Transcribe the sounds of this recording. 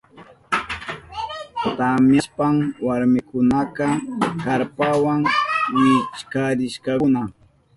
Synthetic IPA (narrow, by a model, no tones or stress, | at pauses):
t̪amjaspamwaɾmɪkʊnakɑkaɾpawaŋwɪt͡ʃkaɾɪʃkɑʊna